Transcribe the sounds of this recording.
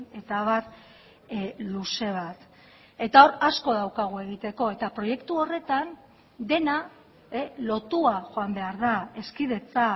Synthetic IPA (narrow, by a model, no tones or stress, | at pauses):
e̞t̪aβat̪ | luse̞β̞at̪ | e̞t̪ao̞ɾasko̞ð̞awkaɣ̞ue̞ɣ̞it̪e̞ko̞e̞t̪apɾo̞je̞kt̪uo̞re̞t̪an | d̪e̞na | elo̞t̪uaʝo̞ambe̞aɾðae̞skiðe̞t͡sa